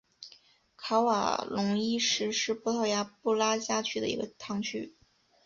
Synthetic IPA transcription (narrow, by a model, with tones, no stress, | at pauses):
kʰɑ˧˥ʊwa̰˨˩lʊ˧˥ŋi˥ʂɻ̩˥ʂɻ̩˥˧pɔ˥t̪ʰɔ˥˩ʊja˥pu˥˩la˥t͡ɕja˥t͡ɕʰy˥˩d̪ə̰˨˩ḭ˧˥ɡə˧t̪ʰɑ˧˥ŋt͡ɕʰy˥